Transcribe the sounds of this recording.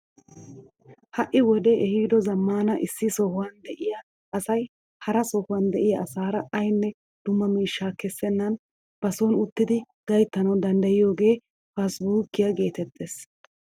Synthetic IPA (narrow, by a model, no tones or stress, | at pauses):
hɐʔɪwɔd̪ɛʔɛhiːd̪ɔzɐmːaːnɐʔɪsːɪsɔhʊwɐnd̪ɛʔɪja | ʔɐsɐj | hɐɾɐsɔhʊwɐnd̪ɛʔɪjɐʔːsaːɾɐɐjnːɛ | d̪̥ʊmːɐmiːʃːaːkɛsːɛnːɐn | b̥ɐsɔnʊt̪ːɪd̪ɪ | ɡ̥ɐjt̪ːɐnɐwd̪ɐnd̪ɐjɪjo̞ːɡe̞ː | fɐsbuːkːɪjaɡe̞ːt̪ɛt̪ʰːes